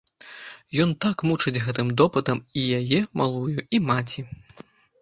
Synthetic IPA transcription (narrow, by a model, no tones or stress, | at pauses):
jɔnt̪akmut͡ʂɨd͡zʲɣɛt̪ɨmd̪ɔpɨt̪ɐmijajɛmʔalˠujuimat͡sʲi